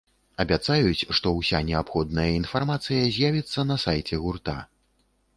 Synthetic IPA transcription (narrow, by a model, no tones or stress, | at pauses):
ɐbʲat̪sajut͡sʲʂt̪ɔwsʲanʲɛapxɔd̪nɐjɐinfarmat̪sɨjɐzʲjavʲit̪sːɐnɐsajt͡sʲɛɣurt̪a̰